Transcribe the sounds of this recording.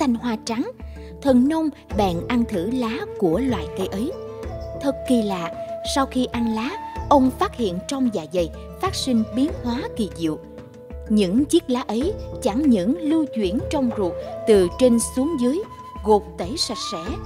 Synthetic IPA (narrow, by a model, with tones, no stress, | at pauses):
t̪ʰa˧jŋ̟ɦwaː˧t͡ɕa˨˦ŋ | t̪ʰə˨˩nnə˧wŋ͡m | ɓɛ̰ː˨˩nʔa˧nt̪ʰɨ˧˩laː˨˦ku˧˩əlwa̰ː˧˨jkə˧jʔə˨˦jt̪ʰə˨˩tki˨˩laː˧˨sa˧wxi˧ʔa˧nlaː˨˦ʔə˧wŋ͡mfaː˦˥t̚hḭ˧˨ənt͡ɕɔ˧wŋ͡mza̰ː˧˨˩jzə˨˩j | faː˦˥t̚sï˧ŋ̟ɓi˨˦ənhwaː˨˦ki˨˩zḭ˧˨əw | ɲɨ̰˧˥ŋt͡ɕi˦˥k̚laː˨˦ʔə˨˦jt͡ɕa˧˩ŋɲɨ̰˧˥ŋlɨ˧wt͡ɕwḭ˧˩ənt͡ɕɔ˧wŋ͡mzu˨˩ət̚t̪ɨ˨˩t͡ɕe˧nsu˨˦əŋzɨ˨˦j | ɣo˨˩k͡p̚t̪e˧˩sa˨˩k̚sɛ̰˧˥